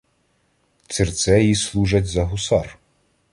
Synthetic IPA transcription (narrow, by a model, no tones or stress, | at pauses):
sʲirt̪sɛjislˠuʒɐtʲzɐɦʊsɑr